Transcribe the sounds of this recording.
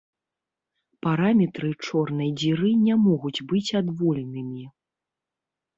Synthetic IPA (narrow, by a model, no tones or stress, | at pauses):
paɾamʲɛt̪ɾɨt͡ʂɔrnɐjd͡zʲiɾɨnʲamɔɣud͡zʲbɨt͡sʲad̪vɔlʲɛnɨmʲi